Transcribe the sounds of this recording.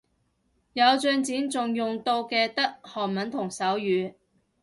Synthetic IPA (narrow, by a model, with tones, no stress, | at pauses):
jɐ˨˧wt͡sœː˧ŋt͡siː˨˥nt͡sʊ˨ŋjʊ˨ŋt̪o˧wkɛː˧t̪ɐ˥k̚hɔː˨˩nmɐ˨˥nt̪ʰʊ˨˩ŋsɐ˨˥wjyː˨˧